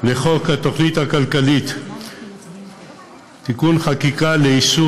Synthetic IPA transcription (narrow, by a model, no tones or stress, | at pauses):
leχokhat̪oχnit̪hakalkalit̪ | t̪ikunχakikaleisu